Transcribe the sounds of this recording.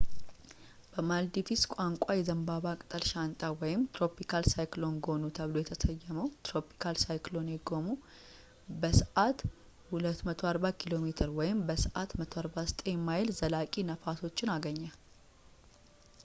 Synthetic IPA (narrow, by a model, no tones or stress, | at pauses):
b̥əmald̪ifiskʷʼaŋkʷʼajɛzəmbaβakʼt̪ʼəlʃant̪ʼawɔjɪmt̪ʰɾo̞pʰikʰalsajklonɡo̞nut̪ʰəβlo̞jɛt̪ʰəsəjːɛməwt̪ʰɾo̞pʰi̥kʰalsajklo̞njɛɡo̞mu | bəsəʔat̪ | hulət̪ːmət̪ʰo̞aɾbakʰilo̞met̪ʰɨɾwɔjɪmbəsəʔat̪mət̪ʰoaɾbast̪ʼemajlzəlakʼinəfaso̞t͡ʃːɪnaɡəɲːal